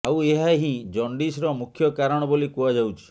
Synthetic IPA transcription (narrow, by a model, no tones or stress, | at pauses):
aweɦaɦĩd͡ʒɔɳɖisɾɔmukʰːjɔkaɾɔɽ̃ɔbolikuad͡ʒawt͡ʃʰi̥